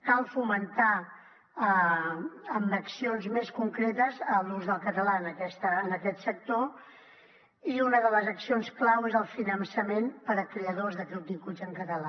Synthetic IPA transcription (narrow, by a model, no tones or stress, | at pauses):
kalˠfumənt̪a | ə | əmbəksionzmeskuŋkɾet̪əzəluzðəlˠkət̪əlaənəkɛst̪əːnəkɛt̪sək̚t̪o | iunəðələzəksionsklawezəlˠfinənsəmenpəɾəkɾeəðozðəkɾup̚d̪ikud͡zəŋkət̪əla